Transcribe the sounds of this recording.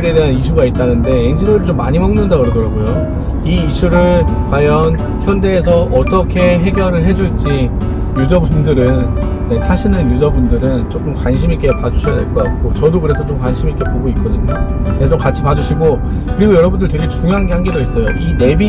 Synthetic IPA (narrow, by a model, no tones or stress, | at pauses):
ɾe̞deɦaniɕ̬ʰuɡait̚t͈anɯnde̞end͡ʑinoɾiɭt͡ɕomːaɲimʌŋnɯndaɡɯɾʌdʌɾaɡojo | iːɕʰuɾɯɭkwajʌn | çjʌnde̞ːsʰʌʔʌt͈ʌkʰe̞ɦe̞ɡjʌɾɯɭɦe̞d͡ʑuɭt͡ɕ͈i | jud͡ʑʌbundɯɾɯn | ne̞tʰaɕʰinɯnjud͡ʑʌbundɯɾɯnt͡ɕok͈ɯmkwanɕʰimik͈e̞pad͡ʑuɕʰide̞ɭk͈ʌk͈at̚k͈ot͡ɕʌdokɯɾe̞sʰʌt͡ɕomkwanɕʰimik͈e̞poɡoik͈ʌdɯɲokesʰʌt͡ɕomkat͡ɕʰipad͡ʑuɕʰiɡo | kɯɾiɡojʌɾʌbundɯɭtwe̞ɡe̞t͡ɕuŋjoɦanɡeɦanɡedois͈ʌjoʔine̞bi